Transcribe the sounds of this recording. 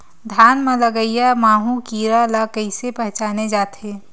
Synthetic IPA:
d̪ʱjaːnmɐ̃lɐɡəijamaːɦũkiːɾalakəɪsepɛɦt͡ʃaːned͡ʒaːt̪ʰeː

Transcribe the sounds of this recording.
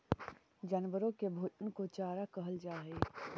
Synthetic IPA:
d͡ʒɐnʋəɾõkebʱoːt͡ʃənkot͡ʃaːɾakɐɦəld͡ʒaːɦeː

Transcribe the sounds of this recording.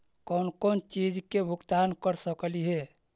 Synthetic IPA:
kɔnkɔnt͡ʃid͡ʒkebʱukt̪ankəɾsəkliɦe

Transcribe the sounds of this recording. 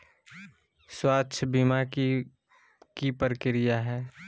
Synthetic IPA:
swaːtːʃʰbimak | kipəɾkɪɾɪjaɦɛː

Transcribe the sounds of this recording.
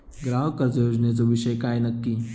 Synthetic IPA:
ɡɾaːɦokɐɾd͡ʒjoːd͡ʒnezoʋɪʃəjkaːinɐkːiː

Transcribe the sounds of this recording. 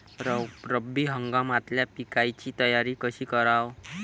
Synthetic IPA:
ɾɾəbiːɦəŋɡamat̪ljapikajt͡ɕiːt̪əjaɾiːkəɕiːkəɾaw

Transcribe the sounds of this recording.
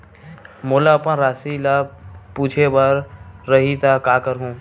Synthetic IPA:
moːlapãɾaːsilapuːt͡ʃʰebəɾːəɦit̪akaːkəɾɦũː

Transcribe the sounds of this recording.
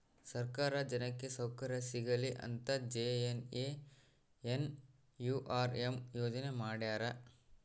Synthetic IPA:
sɐɾkaːɾɐd͡ʒɐnɐkːe̞sɐwkɐɾɐsiɡɐliʔɐ̰nt̪ɐd͡ʒeeneː | en | juʔaːɾemjoːd͡ʒɐnemaːɽjaːɾɐ

